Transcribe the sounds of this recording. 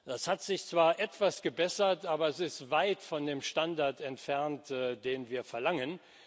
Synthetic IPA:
d̥ashatz̥ɪçt͡sv̥aːɐʔɛtv̥asɡ̥əbɛsɐtʔaːbɐɛsɪstv̥aɪtfɔndeːmʃtandaɐtʰɛntfɛɐntːd̥eːnviːɐfɛɐlaŋən

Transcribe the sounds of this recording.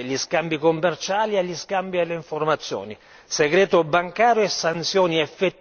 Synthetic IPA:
ʎiskambikomːɛrt͡ʃaːlieʎːiskambielːeiɱformat̪sːjɔ̰ːni | seɡɾɛːt̪ʊbaŋkaːɾjoɛsːant̪sjɔːniɛfːet̪ː

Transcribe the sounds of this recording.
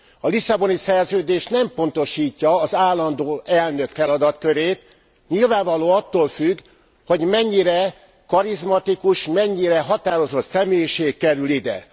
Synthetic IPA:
ɒlisɒbo̞nisɛrzøːd̪eːʃnɛmpo̞nt̪o̞ʃiːcːɒːzaːlːɒnd̪oːʔɛlnø̞kfɛlɒd̪ɒt̪kø̞ɾeːt̪ | ɲilvaːɱvɒloːɒt̪ːoːlfyɡ | ho̞ɟmɛɲːiɾɛ | kɒɾizmɒt̪ikuʃmɛɲːiɾɛɦɒt̪aːɾo̞zo̞t̪sɛmeːjiʃeːkkːɛɾylid̪ɛ̰

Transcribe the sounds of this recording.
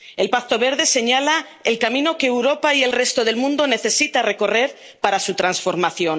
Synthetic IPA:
e̞lpakt̪o̞βe̞ɾðe̞se̞ɲala | elkamĩno̞ke̞ːwɾo̞paie̞lre̞st̪o̞ð̞e̞lmũnd̪o̞ne̞θe̞sit̪are̞ko̞re̞ɾ | paɾasut̪ɾansfo̞ɾmaθjo̞n

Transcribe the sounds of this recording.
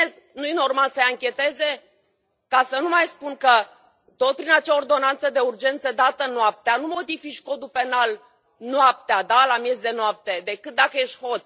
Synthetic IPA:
e | nujeno̞rmalsəjaŋkʲe̞t̪e̞ze̞ | kasənumajspunkə | t̪o̞t̪̚pɾinat͡ʃeaord̪o̞nant̪səd̪e̞urd͡ʒe̞nt̪səd̪at̪ənoap̚t̪eanumo̞d̪ifiʃko̞d̪upe̞nal | noap̚t̪ead̪alamje̞zd̪e̞noap̚t̪e̞d̪e̞kɨt̪̚d̪akəje̞ʃt̪ʲho̞t̪sʲ

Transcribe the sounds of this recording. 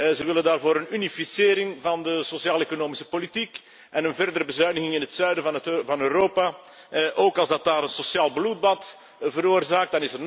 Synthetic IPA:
zəʋɪləndaːrvoːɾənynifisɪːɾɪŋvɑndəsosjaːlekonoːmɪsə̥politik | ʔɛnənvɛrdəɾəbəzœɥnəɣɪŋɪnɦətsœːɥdəvɑnøːɾoːpa | ʔoːkɑlˠzdɑt̚daːɾənsosjaːlˠblut̚bɑt | vəɾoːrzaːk̚t̚dɑnɪsərn

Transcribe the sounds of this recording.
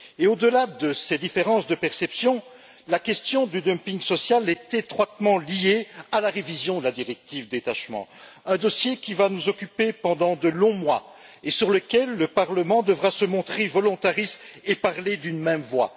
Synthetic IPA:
eod̪əlad̪əsed̪ifeʁɑ̃sd̪əpɛʁsɛpsjɔ̃ | lakʲɛst̪jɔ̃d̪yd̪əmpiŋɡsɔsjalɛt̪et̪χwat̪mɑ̃liealaʁevizjɔ̃d̪əlad̪iʁɛk̚t̪ivd̪et̪aʃmɑ̰̃ | ɛ̃d̪ɔsjekʲivanuzɔkʲypepɑ̃d̪ɑ̃d̪əlɔ̃mwaesyʁləkʲɛlːəpaʁləmɑ̃d̪əvʁasəmɔ̃t̪χevɔlɔ̃t̪aʁistepaʁled̪ynmɛmvwa̰

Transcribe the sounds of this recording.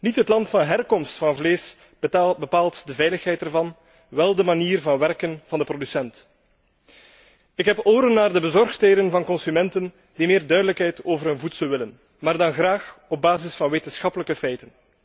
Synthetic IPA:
nitɦətlɑntfɑnɦɛrkɔmstfɑnvleːs | bəpaːlˠtdəvɛjləxɦɛjtɛrvɑn | ʋɛlˠdəmaniːrvɑnʋɛrkənv̥ɑndəprodysɛnt | ɪkɦɛpoːɾənːaːrdəbəzɔrxtɦeːdənvɑnkɔnsymɛntən | d̥imeːrdœɥdələkɦɛjtoːvərɦənvutsəlˠʋɪlən | maːrdɑnɣraːxɔb̚baːzɪsfɑnʋeːtənsxɑpələkəfɛjtən

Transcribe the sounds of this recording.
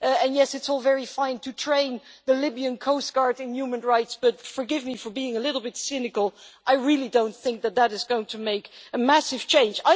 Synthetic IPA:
ɨ̃njɛsɨtsɔlˠvɛɹifãɪ̃ntʰɨtʰɹ̥ẽɪ̃nðɨlɪbiɨ̃nkʰoʊsɡ̥ɑɹdɨ̃njumɨ̃nɹaɪtsb̥ʌtfə˞ɡɪvmifə˞biɪ̃ŋəlɪɾl̩ˠbɪtsɪnɨkəl̩ˠʔaɪɹɪlˠidõʊ̃nθɪ̃ŋk̚ðɨt̪̚ðɨɾɨzɡoʊɪ̃ŋtʰɨmeɪkɨmæsɨv̥t͡ʃʰẽɪ̃nd͡ʒaɪ

